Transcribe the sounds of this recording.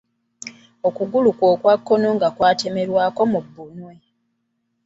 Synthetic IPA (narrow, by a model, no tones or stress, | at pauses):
o̞kuɡulukwo̞ːkwakːo̞no̞ŋɡakwaːte̞me̞ɾwaːko̞mubːunwe̞